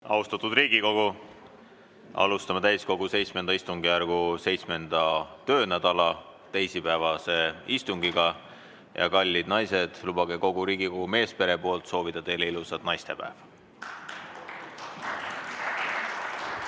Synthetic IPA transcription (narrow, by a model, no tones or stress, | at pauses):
ɑ̰ust̪ɑt̪ˑud̪riːɡ̥iko̞ɡ̥u | ɑ̰lust̪ɑmet̪æjsko̞ɡ̥use̞jt̪sme̞nɑist̪uŋɡijærɡ̥use̞jt̪sme̞nd̪̥ɑt̪ø̞ːnæd̪̥ɑlɑ | t̪e̞jsipæevɑse̞ist̪uŋɡ̥iɡ̥ɑ | jɑ̰kɑlʲːid̪nɑjse̞d̪̥lub̥ɑɡ̥eko̞ɡuɾiːɡiko̞ɡume̞ːspe̞ɾe̞po̞ːlt̪so̞ːvid̪̥ɑt̪e̞jleilusɑd̪nɑjst̪e̞pæ̰ev